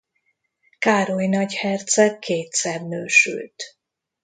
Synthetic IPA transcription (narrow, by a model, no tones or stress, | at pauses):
kaːɾojnɒɟhɛrt̪sɛkʰeːt̪sɛrnøːʃy̰lt̪